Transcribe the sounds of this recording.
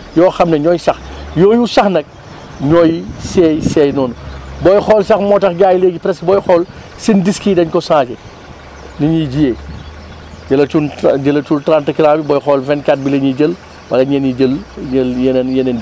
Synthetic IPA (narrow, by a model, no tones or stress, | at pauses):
jɔːxɐmnɛɲɔːjsɐxjɔːjusɐxnɐk̚ | ɲɔːjisɛːjsɛjnɔːnubɔjxɔːlsɐxmɔːtɐxɡaːjleːɡipɾɛsbɔjxɔːl | sindiskiːdɐɲkɔsãːt͡ʃɛ | niɲiɟijeː | d͡ʒɐlɐt͡ʃund͡ʒəlɐt͡ʃultɾantɐkiɾaːbibɔjxɔːlvɛntkat̚bilɐɲiɟəl | wɐlɐɲɐnid͡ʒəlɲɐljennjenɐn